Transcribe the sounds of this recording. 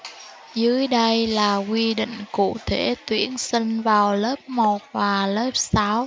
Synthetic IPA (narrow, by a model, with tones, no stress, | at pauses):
zɨ˨˦əjɗə˧jlaː˨˩kwi˧ɗḭ̈˧˨ŋ̟kṵ˧˨t̪ʰḛ˧˩t̪wi˨˦ənsi˧ŋ̟vaː˨˩wləː˦˥p̚mo˨˩t̚vaː˨˩ləː˦˥p̚saː˨˦w